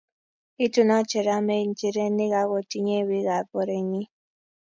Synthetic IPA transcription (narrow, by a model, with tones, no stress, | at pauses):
i˦tu˨na˦t͡ʃe˨ɾa˨˦me˦˨n̩˨t͡ʃi˨ɾe˦ne˦ɣa˨˦ɣo˨ti˦ɲe˦˨wi˨˦ɣa˨bɔ˨ɾe˨ɲi˦